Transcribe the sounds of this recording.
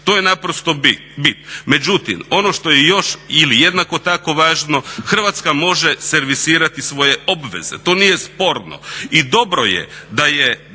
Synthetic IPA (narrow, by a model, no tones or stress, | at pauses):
t̪ojenapɾost̪obi | bit̪me̞d͡ʒut̪ḭmo̞noʃt̪o̞jejo̞ʃilijed̪nakot̪ako̞ʋaːʒnoxr̩ʋat̪skamo̞ʒeseɾʋisiːɾat̪isʋo̞je̞o̞bʋe̞̰zḛt̪onije̞spo̞ɾno̰id̪o̞bɾo̞jḛd̪aje